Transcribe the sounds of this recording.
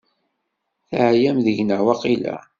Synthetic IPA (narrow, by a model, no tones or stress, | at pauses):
θʕjæmðəʝnəʕwɑqilæ̰